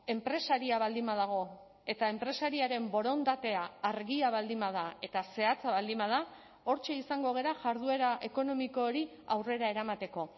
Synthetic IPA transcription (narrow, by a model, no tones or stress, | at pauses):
e̞mpɾe̞saɾiaβald̪imað̞aɣ̞o̞ | e̞t̪aempɾe̞saɾiaɾe̞mbo̞ɾo̞nd̪at̪e̞aːɾɣiaβ̞ald̪imað̞ae̞t̪ase̞at͡saβald̪imbað̞a | o̞ɾt͡ʃe̞isaŋɡo̞ɣe̞ɾaʝaɾð̞ue̞ɾaʔe̞ko̞no̞miko̞ːɾi | awre̞ɾaeɾamat̪e̞ko̞